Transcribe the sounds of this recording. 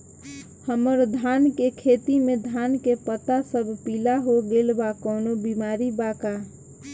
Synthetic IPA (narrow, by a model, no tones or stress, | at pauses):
həməɾd̪ʱaːnkekʰeːt̪imẽd̪ʱaːnkepət̪asəbʱpiːlaɦoɡeːlbakɔːnobimaːɾibaka